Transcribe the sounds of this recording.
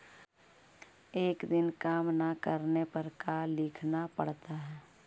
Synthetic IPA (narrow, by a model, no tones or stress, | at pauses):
eːkd̪ɪnkaːmnakəɾnepəɾkalɪkʰnapəɽ̤t̪aɦɛː